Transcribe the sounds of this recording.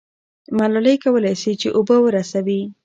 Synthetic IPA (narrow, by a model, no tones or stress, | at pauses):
malɑlajkawəlajsit͡ʃeʔobəwəɾasawi